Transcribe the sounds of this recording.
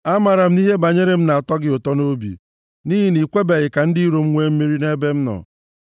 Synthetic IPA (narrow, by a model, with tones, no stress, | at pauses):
a˦ma˨ɾa˨m̩˦i˦ɦe˦ba˨ɲe˦ɾe˦m̩˦na˨a˨tɔ˦ɡɪ˦o˨tɔ˦no˦bḭ˨ | ni˦ɦi˦ni˨kʷe˦be˨ɣɪ˨ka˨n̩˦di˦i˦ɾo˨m̩˦ŋʷe˦m̩˦mi˦ɾi˦ne˦be˦m̩˦nɔ̰˨